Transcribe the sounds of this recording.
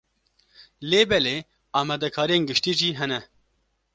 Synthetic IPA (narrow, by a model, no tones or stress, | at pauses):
leːbɛleː | ɑːmɛːd̪ɛkʰɑːɾijeːnɡɨʃt̪iːʒiːɦɛnɛ